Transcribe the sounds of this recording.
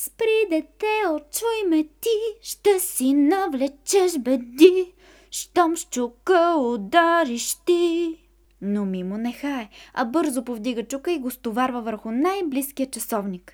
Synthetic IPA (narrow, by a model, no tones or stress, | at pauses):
spɾid̪ɛt̪ɛot͡ʃujmɛt̪iʃt̪ɛsinɐvlɛt͡ʃɛʃbɛd̪i | ʃt̪ɔmʃt͡ʃukəod̪aɾiʃt̪i | nomimonɛxaɛɐbɤɾzʊpovd̪iɡət͡ʃukəiɡost̪ovaɾvəvəɾxʊnajbliskijət͡ʃɐsɔvnik